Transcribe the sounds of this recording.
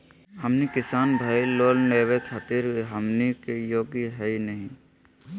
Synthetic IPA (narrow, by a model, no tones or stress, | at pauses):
həmnikɪsaːnbʱailoːlneːwekʰaːt̪iɾɦəmnikejoːɡiɦɛinəɦĩ